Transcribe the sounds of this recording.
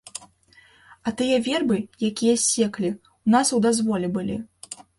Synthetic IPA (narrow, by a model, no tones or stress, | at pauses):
ɐt̪ɨjɐvʲɛrbɨjakʲijɐsʲɛklʲi | wnasud̪azvɔlʲɛbɨlʲḭ